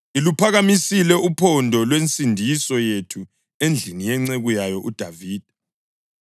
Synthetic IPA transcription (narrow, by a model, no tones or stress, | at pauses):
ilupʰaɣamisilɛupʰɔndʱɔlwent͡sʼindʱisɔjetʰu | end͡ɮʱinijɛŋ͡ǀeɣujajɔʔud̥ʱaviːd̥ʱɛ